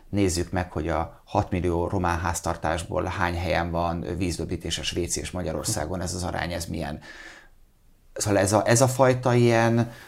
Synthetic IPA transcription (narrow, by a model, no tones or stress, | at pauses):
neːzːykmɛkho̞ɟɒ | hɒt̪milːijoːrʔo̞maːnɦaːst̪ɒrt̪aːʒbo̰ːlhaːɲɦɛjɛɱvɒnviːzd̪øbiːt̪eːʃɛʃʋeːt̪siḛːʃmɒɟɒɾo̞̰rsa̰ːɡonɛzɒzɒɾa̰ːɲɛzmijɛ̰n | soɛzɒʔɛzɒfɒjt̪ɒijɛn